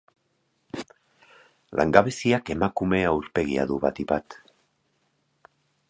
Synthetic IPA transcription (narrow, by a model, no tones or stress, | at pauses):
lʔa̰ŋɡaβesiake̞makume̞awɾpe̞ɣ̞ia̰ðuβa̰t̪ibat̪